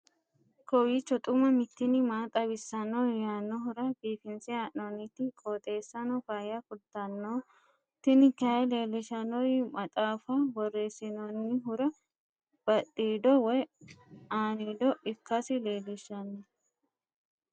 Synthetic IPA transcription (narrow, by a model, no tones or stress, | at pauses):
kɔwiːt͡ʃːɔt̪ʼʊmɐmɪt̪ːɪnɪmaːt̪ʼɐbɪsːɐnːɔjaːnːɔɦʊɾɐbiːfɪnsɪaːʔnɔnːɪt̪ːɪkʼoːt̪ʼe̞ːsːɐnɔfaːjɐkʊt̪ːɐnːoː | t̪ɪnɪkːɪɐjle̞ːlːɪʃɐnɔjmɐt̪ʼaːfɐbɔrːe̞ːsɪnɔnːɪɦʊɾɐ | b̥ɐɗiːd̪ɔwɔj | aːniːd̪ɔʔɪkːɐsɪle̞ːlːɪʃɐnːɔ